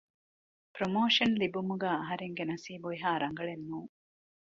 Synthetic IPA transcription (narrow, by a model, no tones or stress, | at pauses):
pɾomoːʃɐnlibumuɡaːɐɦɐɾeŋɡenɐsiːboiɦaːɾɐŋɡɐɭenːuːŋ